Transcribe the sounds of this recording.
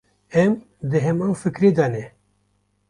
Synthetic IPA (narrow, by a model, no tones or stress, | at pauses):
ɛm | d̪ɨɦɛmawfɨkɾeːd̪aːnɛ